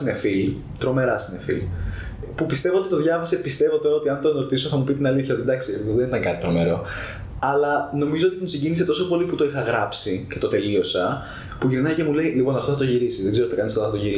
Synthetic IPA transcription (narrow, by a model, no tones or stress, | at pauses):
ine̞fil | t̪ɾo̞me̞ɾɐsine̞fḭl | pupist̪e̞vo̞o̞t̪it̪o̞ðʝɐvɐsepist̪e̞vo̞t̪o̞ɾɐot̪iɐnt̪onoɾt̪iso̞θɐmupit̪inɐliθçɐo̞t̪id̪ɐksieɣoðenit̪ɐŋkɐt̪i̥t̪ɾo̞me̞ɾo̞ | ɐlɐno̞mizo̞ot̪iousiɲɟiniset̪o̞so̞po̞liput̪o̞ixɐɣɾɐpsicet̪o̞t̪e̞lio̞sɐ | puʝinnɐce̞mule̞ilipo̞nɐft̪oθɐt̪o̞ʝiɾisizðeɡzeot̪ɐkɐnisɐloθɐt̪oʝiɾis